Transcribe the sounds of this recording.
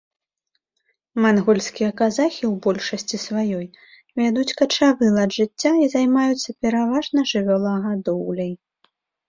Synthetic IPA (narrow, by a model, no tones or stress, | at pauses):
manɣɔlʲsʲkʲijɐkazaxʲiwbɔlʲʂɐsʲt͡sʲisvajɔj | vʲad̪ut͡sʲkɐt͡ʂavɨlˠad̪ʐɨt͡sʲːaizajmajut̪sːɐpʲɛɾavaʐnɐʐɨvʲɔlˠɐɣad̪ɔwlʲɛj